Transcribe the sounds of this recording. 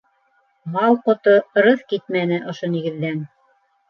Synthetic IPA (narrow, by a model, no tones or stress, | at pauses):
mɑwqŏt̪oɾɤθkit̪̚mænɘʔŏʃoniɡɘ̆ðːæn